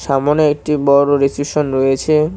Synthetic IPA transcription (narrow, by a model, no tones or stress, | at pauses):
ʃamoneek̚ʈibɔɾoɾesiʃonɾojet͡ɕʰe